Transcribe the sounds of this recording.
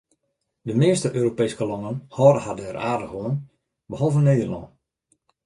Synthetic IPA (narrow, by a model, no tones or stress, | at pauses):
dəmɪəstəʔøːɾopeːskəlɔŋənhɔːrəhadəɛraːrdəxʋoən | bəhɔlˠvənːeːdərlɔ̰n